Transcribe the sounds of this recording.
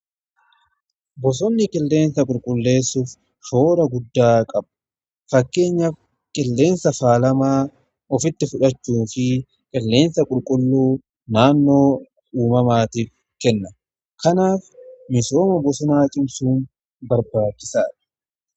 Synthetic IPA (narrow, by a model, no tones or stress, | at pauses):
bɔs̬ɔnːɪkʼɪlːe̞ːnsɐkʼʊlkʼʊlːe̞ːsːuːf | ʃo̞ːɾɐɡʊd̪ːaːkʼɐb | fɐkːe̞ːɲːɐf | kʼɪlːe̞ːnsɐfaːlɐmaː | ɔfɪt̪ːɪfʊᶑɐt͡ʃːuːfɪ | kʼɪlːe̞ːnsɐkʼʊlkʼʊlːuː | naːnːo̞ː | uːmɐmaːt̪iːf | kɛnːɐ | kɐnaːfmɪso̞ːmɐbɔsɔnaːt͡ʃʼɪmsuːn | bɐɾbaːt͡ʃːɪsaːᶑɐ̥